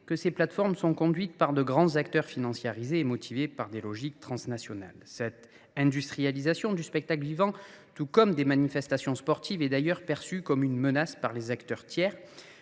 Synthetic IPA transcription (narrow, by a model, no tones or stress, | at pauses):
kəseplat̪fɔʁmsɔ̃kɔ̃d̪ɥit̪paʁd̪əɡʁɑ̃zakt̪œʁfinɑ̃sjaʁizeːmɔt̪ʰivepaʁd̪elɔʒik̚t̪χɑ̃snasjɔna̰lsɛt̪ | ɛ̃d̪yst̪χijalizasjɔ̃d̪yspɛk̚t̪akləvivɑ̃t̪ukɔmd̪emanifɛst̪asjɔ̃spɔʁt̪ivɛd̪ajœʁpɛʁsykɔmynmənaspaʁlezakt̪œʁt̪jɛːʁ